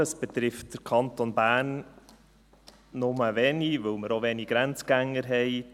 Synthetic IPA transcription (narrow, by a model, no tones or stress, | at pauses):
əsb̥ɛt̪ɾɪft̚d̥əɾkʰɑnt̪onbæːrn | ʊməvɛniʋɵwməɾoʋɛniɡ̥ɾænt͡sɡ̥æŋːəɾɦɛɪ